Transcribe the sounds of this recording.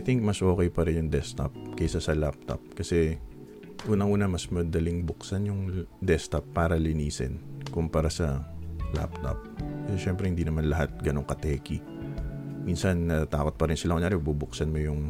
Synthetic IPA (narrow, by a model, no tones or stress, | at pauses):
ʔjθɪŋk̚mɐsʔo̞ːkɛjpɐɾɪnjʊŋd̪ɛst̪ɐ̰p̚kɛjsasɐlap̚t̪o̰p̚kɐsɛ | ʔuːnɐŋʔuːnɐmɐsmɐd̪ɐlɪŋbʊksanjʊŋd̪ɛst̪ɐpːaːɾɐlɪniːsɛ̰nkʊmpɐɾasɐla̰p̚t̪o̰p̚kɐsɛʃɛmpɾɛhɪnd̪inɐmanlɐɦat̪̚ɡɐno̞ŋkɐt̪ɛːkɪ | minsɐnnɐt̪aːko̞t̪̚pɐɾɪnsɪlaʔojaːɾɛbubʊksɐnmʊjʊŋ